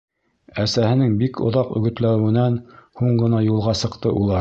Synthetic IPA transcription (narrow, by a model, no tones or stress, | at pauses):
æsæhɘ̆nɘŋbikʰŏ̰ðɑqɵ̰̆ɡɵ̆t̪læɘ̆wɘ̆nænhuɴɢɤ̆nɑjulˠʁɑsɤ̆qt̪ɤʔulˠɑɾ